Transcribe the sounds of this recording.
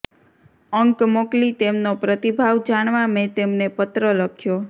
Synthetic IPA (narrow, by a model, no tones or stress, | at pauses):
əŋkmoklit̪emnopɾət̪ibʱaʋd͡ʒaɳ̃ʋamẽt̪emnepət̪ɾələkʰjo